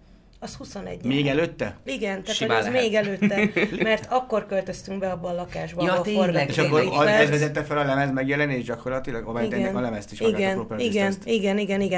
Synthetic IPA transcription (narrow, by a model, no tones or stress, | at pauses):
ɒshusonɛ̰ɟːmeːɡɛløːt̪ːɛiɡɛnt̪aːʃoɛzmeːɡɛløːt̪ːɛmɛrt̪ɒkːo̞rkølt̪øst̪yŋɡbɛɒbːɒːlɒkaːʒbɒeorɡaeʃɒkːoɾɒøzvɛzɛt̪ːɛfɛlɒlɛmɛzmɛɡjɛlɛnːieːʒɟɒko̞rlɒt̪ilɒɡomɛniɛɛnkɒlɛmɛst̪iʃiɡɛnopøisɡɛɛnst̪iɡɛniɡɛniɡɛ